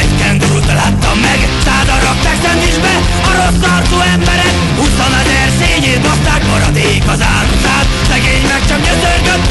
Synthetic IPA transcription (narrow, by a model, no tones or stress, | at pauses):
ɛkɛnd̪uubɛlaːt̪ːɒmːɛɡ | saːd̪ɒɾɒk̚t̪aːksɛnt̪iʒbɛ | ɒɾo̞st̪ɒrt̪oːɛmbɛɾɛk | ut̪ːɒnɒzɛrseːɲeːt̪most̪aːkmɒɾɒd̪eːkɒzaːlusaːt̪ | sɛɡeːɲmɛkt͡ʃɒkɲøzørɡøt̪ː